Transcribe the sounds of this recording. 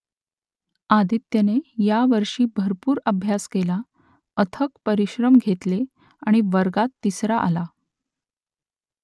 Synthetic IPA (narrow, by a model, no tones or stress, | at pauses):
ad̪it̪jənejaʋəɾʂiːbʱəɾpuːɾəbʱjaskela | ət̪ʰəkpəɾiɕɾəmɡʱet̪le | aɽ̃iʋəɾɡat̪ːisɾaʔa̰la